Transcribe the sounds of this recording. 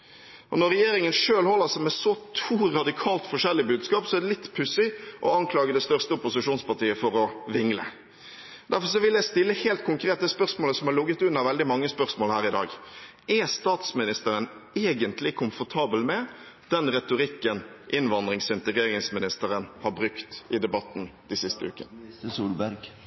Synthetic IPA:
ʔɔnɔɾɛjeːɾɪŋənʂøːlhɔlːəsɛmɛsɔt̪ʰuːɾɑd̪ɪkʰɑːlt̪fɔʂɛlːɪbʉːd̪skɑːpsɔæd̪ɛlɪt̪ːpʰʉsɪʔɔ̰ɑŋkʰlɑːɡəd̪ɛst̪œʁst̪əʊpʊsɪʂuːnspɑʈiːəfɔɾɔʋɪŋlə̰ | d̪æɾfɔɾʂ̬ɔʋɪljæɪst̪ɪlːəheːlt̪̚kʰʊŋkʰɾeːt̪̚d̪ɛːspœʁsmoːləsɔmhɑɾlʊɡət̪ʉnːɑʋɛld̪ɪmɑŋːəspœʁsmoːlhæːɾɪd̪ɑ̰ːɡ | ʔɛst̪ɑːt̪smɪnɪst̪əɾəneːɡənt̪lɪkʰʊmfɔʈʰɑːbəlmɛ | d̪̥ɛnɾɛt̪ʊɾɪkːənʔɪnʋɑnd̪ɾɪŋsɪnt̪əɡɾeːɾɪŋsmɪnɪst̪əɾənhɑɾbɾʉkt̪ɪd̪ɛbɑt̪ːn̩d̪̥ɪsɪst̪əʉ̰ːkənsuːlbæɾɡ

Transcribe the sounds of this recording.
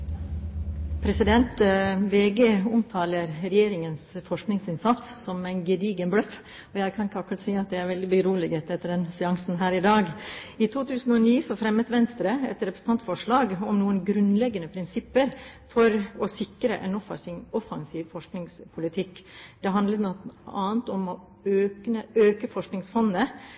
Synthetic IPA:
pʰɾɛsɪd̪ɛnt̪ʋeːɡeːʊmt̪ʰɑːləɾɾɛjeːɾɪŋənsfɔʂknɪŋsɪnsɑt̪sːɔmæɪnɡəd̪iːɡənblœf | ɔjæɪkʰɑnkːɑkʊɾɑt̪siːɑt̪̚d̪ɛæɾʋɛld̪ɪbəɾuːlɪɡeːt̪ɛt̪ːəɖɛnsɛɑŋsn̩ɦæːɾɪd̪ɑːɡɪt̪ʰuːt̪ʰʉːsn̩ɔniːsɔfɾɛmːət̪ʋɛnst̪ɾəɛ̰t̪ɾɛpɾəsn̩t̪ʰɑnt̪fɔʂɭɑːɡɔmnuːənɡɾʉnlɛɡənəpʰɾɪnsɪpːəɾfɔɾɔsɪkɾə̰ʔɛ̰nɔfɑ̰sɪnɔfɑŋsiːʋfɔʂknɪŋspʰʊlɪt̪ʰɪkːd̪̥ɛɦɑnd̪lət̪nɔɑːnt̪ɔmɔ | øːknəøːkəfɔʂknɪŋsfɔnːə

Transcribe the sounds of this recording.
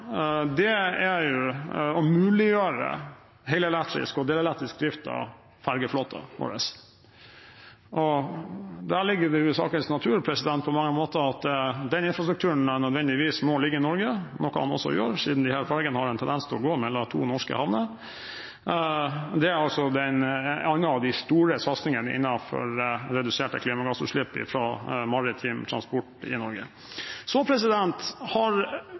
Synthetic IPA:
d̪ɛæɾjʊɔmʉːlɪjøːɾə̰ | ɦɛɪləɛlɛt̪ːɾɪ̰skɔd̪eːləɛlɛkt̪ɾɪsk̚d̪ɾɪft̪ɑ̰ | fæɾɡəfloːt̪ʰə̰o̰ːɾə̰s | ʔɔ | d̪æːɭɪɡːədɛjʊsɑ̰ːkəlsnɑt̪ʰʉːɾpʰɾɛsɪd̪ɛnt̪̚pʰɔmɑŋːəmoːt̪əɾɑt̪̚d̪ɛd̪ɛnɪnfɾɑst̪ɾʉk̚t̪ʰʉːəɳænœd̪ʋɛnd̪ɪʋiːsmoːllːɪɡːəɾɪnɔɾɡənɔkɑ̰hɑ̰nɔ̰sːɔ̰ɪ̰o̰ːɾsiːd̪n̩d̪ɪhæːɾfʰɑlɛɡənəhɑɾɛnt̪ʰɛnd̪ɛnst̪ʰɔɡoːmɛlːɑt̪ʰṵːnɔʂkə̰hɑʋnə | d̪ɛæɾɑlsɔd̪ɛnɑnːɑɑʋd̪æɪst̪uːɾəsɑt̪snɪŋənəʔɪ̰nːɑfɔ̰ɾɾɛd̪ʉseːʈə̰kʰliːmɑɡɑsʉ̰ʂɭɪpːɪ̰fɾoːmɑɾɪt̪ʰiːmt̪ʰɾɑ̰nspɔʈɪ̰nɔɾɡə̰ | sɔpʰɾɛsɪd̪ɛnt̪hɑɾ

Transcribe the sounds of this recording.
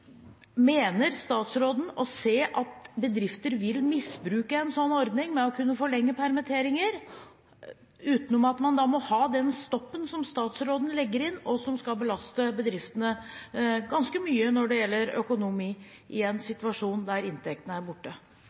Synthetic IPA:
meːnəɾst̪ɑːt̪sɾoːd̪n̩ɔseːʔɑt̪bəd̪ɾɪft̪əɾʋɪlmɪsbɾʉːkəɛnsɔnːɔɾd̪nɪŋmɛɔkʰʉnːəfɔɭɛŋːəpʰæɾmət̪ʰeːɾɪŋəɾ | ʉːt̪nɔmɑt̪mɑnd̪ɑmɔhɑːd̪ɛnst̪ɔpːənsɔmst̪ɑːt̪sɾoːd̪n̩lɛɡːəɾɪnːɔsɔmskɑlbəlɑst̪əbəd̪ɾɪft̪ənə | ɡɑnskəmyːənɔɖɛjɛlːəɾœ̰kʊnʊmiː | ʔɪɛnsɪt̪ʋɑʂuːnd̪æɾɪnt̪ʰɛk̚t̪ənəæɾbʊʈːə

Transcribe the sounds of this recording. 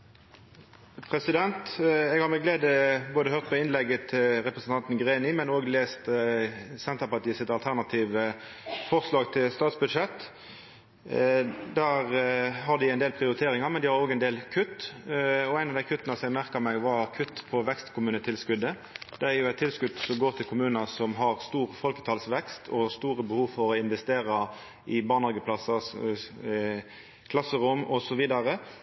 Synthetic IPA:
pʰʁɛsɪd̪ɛnt̪ɛɡhɑɾʁmɛɡleːd̪əboːd̪əhøːʁt̪̚pʰɔɪnlɛɡːət̪ʰɪlʁɛpɾəsn̩t̪ɑnt̪nɡʁeːnɪmɛnoːɡleːst̪ | sɛnt̪əʁpɑʁt̪ʰiːəsɪt̪ɑlt̪ʰæʁnɑt̪ʰiːʋə | fɔʁslɑːɡt̪ʰɪlst̪ɑːt̪sbʉd̪ʂɛt̪ː | d̪æʁɦɑʁd̪ɪæɪnd̪eːlpʰʁɪʊɾɪt̪ʰeːʁɪŋɑmɛnd̪ɪhɑɾoːɡæɛnd̪eːlkʰʉt̪ː | ɔæɪnɑʋd̪æɪkʰʉt̪ːənɑsɔmæɪmæʁkəɾmæɪʋɑɾkʰʉt̪ːpʰɔʋɛkst̪kʰʊmʉːnət̪ʰɪlskʉd̪ːə | d̪̥ɛæɾjʊæt̪ʰːɪlskʉd̪sɔmɡoːʁt̪ʰɪlkʰʊmʉːnɑsɔmɦɑʁst̪uːʁfɔlkə̥t̪ʰɑːlsʋɛkst̪ʰɔst̪uːɾəbəhuːʋfɔɾɔɪnʋɛst̪eːʁɑ | ʔɪbɑːnhɑɡəpʰlɑsɑs | kʰlɑsːəʁʊmɔsɔʋiːd̪ɑɾə

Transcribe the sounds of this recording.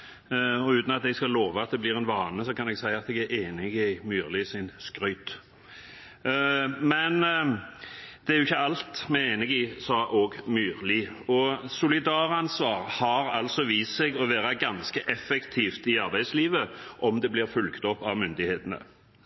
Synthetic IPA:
ɔʉːt̪nɑt̪ɛɡskɑloːʋɑɑt̪̚d̪ɛblɪːʁɛnʋɑːnəsɔkʰɑnɛɡsæɪɑt̪ɛɡæeːnɪɡɪmyːʁlɪsɪnskɾœʏt̪ | mɛn | d̪̥ɛæɾjʊɪçːəɑlt̪mɛeːnɪɡɪsɑʔoːɡmyːʁlɪɔsʊlɪd̪ɑːʁɑnsʋɑːʁhɑɾɑ̰lt̪sɔʋiːssɛɡɔʋæːɾɑɡɑnskəʔɛfːɛkt̪ʰiːft̪ɪɑɾbæɪd̪sliːʋəʔɔmd̪ɛbliːʁfʉlkt̪ɔpːɑʋmʏnd̪ɪheːt̪ənə̰

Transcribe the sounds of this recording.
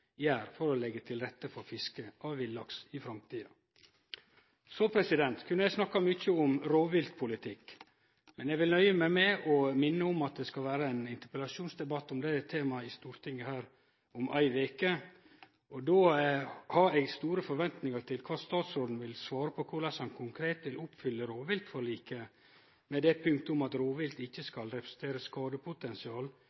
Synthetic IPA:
jæːɾfɔɾɔlɛɡːət̪ʰɪlɾɛt̪ːəfɔɾfɪskəʔɑʋʋɪlːɑksɪfɾɑmt̪ʰiːɑ̰ | soːpʰɾɛsɪd̪ɛnt̪kʰʉnːəjæɪsnɑkːɑmʏçːəʊmɾoːʋɪlt̪pʰʊlɪt̪ʰɪkː | mɛnɛɡʋɪlnœʏəmæmɛʔɔmɪnːəʊmɑt̪̚d̪ɛskɑlʋæːɾəɛːnɪnt̪əpəlɑʂuːnsd̪ɛbɑt̪ːɔmd̪ɛt̪ʰeːmɑɪst̪uːɾt̪ʰɪŋːəhæːɾ | ʊmʔæ̰ɪʋeːkə | ʔɔd̪oːhɑɾɛɡst̪uːɾəfɔɾʋɛnt̪nɪŋəɾt̪ʰɪlkʰʋɑːst̪ɑːt̪sɾoːd̪n̩ʋɪlsʋɑːɾəpʰɔkʰʊɭɑshɑnkʰʊŋkʰɾeːt̪ʋɪlʔʊpfʏlːəɾoːʋɪlt̪fɔɾɭiːkə | mɛd̪ɛpʰʉŋk̚t̪əʊmɑt̪ɾoːʋɪlt̪ɪçːəskɑlɾɛpʰɾəsn̩t̪ʰeːɾəskɑːd̪əpʰʊt̪ɛnsɪɑːl

